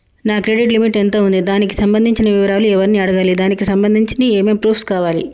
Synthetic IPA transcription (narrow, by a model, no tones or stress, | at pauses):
naːkɾeɖiʈlimiʈent̪o̞ːund̪id̪aːnikisɐmbɐnd̪ʱiɲt͡ʃinɐʋiʋɐɾaːluɛʋɐɾniːɐɽɐɡaːlid̪aːnikisɐmbɐnd̪ʱiɲt͡ʃinieːmeːmpɾuːpʰskaːʋaːlḭ